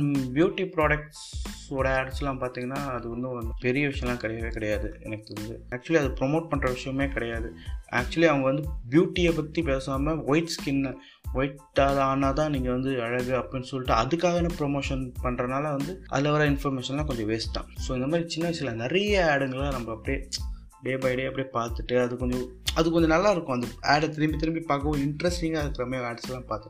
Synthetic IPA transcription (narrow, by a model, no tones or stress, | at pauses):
bjuːʈːipɾoːɽɐk̚ʈssoːɽɐaːɽɐsɪlnɐmːɐpaːɾt̪iːŋɡɐnːaːɐðɯʋɐnd̪ɯnpɛɾɪjɐʋɪʂɐɪjɐ̃lãːkɪɽɐjɐʋeːkɐɽɐjaːðɯɛ̰nɐkːɪt̪ɪɾɐnd͡ʒɯaːk̚t͡ʃʊɐliɐðɯpɾɔmoːʈ̚pɐɳrɐʋɪʂɐjɐmeːkɪɽɐjaːðɯa̰ːk̚t͡ʃʊɐliɐʋɐŋɡɐʋɐnd̪ɯbjuːʈːiepɐt̪ːipeːsaːmɐʋɐɪʈskɪnːɐ | ʋɔɪʈː | aːlaːnaːt̪ãːniːŋɡɐʋɐnd̪ɯɐɻɐʋɯɐpːɐɽɪnːsɔlːɪʈːɯɐðɯkːaːɣɐnepɪɾɔmoːʂɐnpɐɳːɾɐnaːlɐʋɐnd̪ɯʔɐ̰ðlːɐʋɐɾaːɪnfɐɾmeːʂɐnlːãːkɔɲd͡ʒɔ̃ʋeːsʈːã̰ːsoːɪnd̪ɐmaːd̪ɾit͡ʃɪnːɐsɪlɐnɛɾɐjɐeːɽŋɡɐɭaːnɐmbɐɐpːɐɽij | ɖeːbɐɪɖeːɐpːɐɽijpaːɾt̪ɯʈːɯɐðɯkɔɲd͡ʒɔ̃ | ɐðɯkːɔɲd͡ʒɔ̃nɐlːaːɪɾɯkːʊ̃ɐnd̪ɐeːɽɐt̪̬ɪɾɪmbit̪ɪɾɪmbipɐkːɐʋʊ̃ɪɳʈɾɛsʈĩŋɡaːɪɾɯkːɪɾameːaːɖsɛlːãːpaːɾt̪ːɯ̃